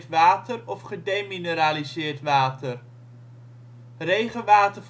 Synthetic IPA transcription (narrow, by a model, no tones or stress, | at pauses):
tʋaːtərɔfχədejminəɾaːlizɪːɹtʋaːtər | rejχənʋaːtəv